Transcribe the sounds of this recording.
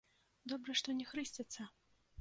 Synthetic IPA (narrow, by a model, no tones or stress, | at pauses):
d̪ɔbɾɐʂt̪ɔnʲɛxɾɨsʲt͡sʲɐt̪sːɐ